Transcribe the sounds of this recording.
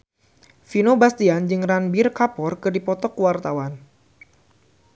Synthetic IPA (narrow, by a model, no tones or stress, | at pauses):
finobast̪iand͡ʒɨŋranbirkapɔrkɨrdipɔt̪ɔkwart̪awan